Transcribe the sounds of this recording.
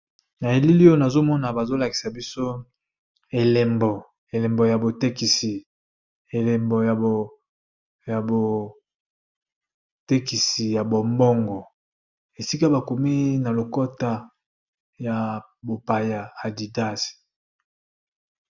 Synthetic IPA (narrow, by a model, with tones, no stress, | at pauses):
na˨e˨li˦li˦o˦na˨zo˦mɔ˦na˨ba˨zo˦la˨ki̥˨sa˨bi˦so˦ | e˨le˨mbɔ˨ | e˨le˨mbɔ˨ja˨bo˨te˦ki˨si˨ | e˨le˨mbɔ˨ja˨o˨ | ja˨bo˨ | te˦ki˨si˨ja˨bo˨mbɔ˦ŋɡɔ˨ | e˨si˦ka˦ba˨ko˨mi˦na˨lo˨ko˦ta˦ | ja˨ | bo˨pa˨ja˨a˨di˨da˦si̥˨